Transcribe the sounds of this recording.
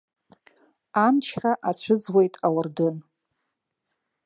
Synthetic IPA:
amt͡ʃʰraʔat͡ɕʷʰʊd͡zwejtʼawardɨn

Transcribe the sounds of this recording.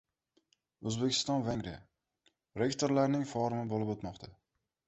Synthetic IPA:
ɵzbekʲʰɪ̥st̪ɒnvaŋɾa | ɾe̞kt̪ʰoɾlaɾnɪŋfɒɾɪmɪbolɪpot̪mɒqt̪ʰa

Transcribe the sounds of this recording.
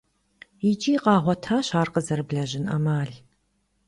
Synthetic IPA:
it͡ʃʼiːqɑːʁʷɔtʰaːɕaːrqəzɐɾɨbɮɐʑɪnɐ̰maːɮ

